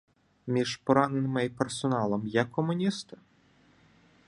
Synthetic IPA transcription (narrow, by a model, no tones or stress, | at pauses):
mʲiʒpɔɾanɛnɨmɐipɛrsɔnalˠɐmjakʰːɔmʊnʲist̪ɐ